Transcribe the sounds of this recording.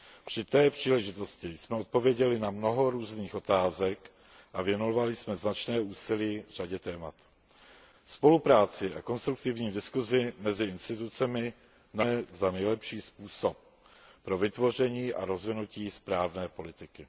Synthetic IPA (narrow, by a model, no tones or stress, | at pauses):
pr̝̥ɪt̪ɛːpr̝̥iːlɛʒɪt̪o̞scɪjsmɛo̞t̪̚po̞vjɛɟɛlɪnamno̞ɦo̞ɾuːzniːxo̞t̪aːzɛk | ʔavjɛnovalɪsmɛznat͡ʃnɛːuːsɪliːvr̝aɟɛt̪ɛːmat̪ | spo̞lupɾaːt͡sɪʔako̞nst̪ɾuk̚t̪ɪvɲiːdɪskuzɪmɛzɪɪnst̪ɪt̪ut͡sɛmɪ | naɛzanɛjlɛpʃiːspuːso̞p̚ː | ɾo̞vɪt̪vo̞r̝ɛɲiːʔa̰ɾo̞zvɪnuciːspɾaːvnɛːpo̞lɪt̪ɪkɪ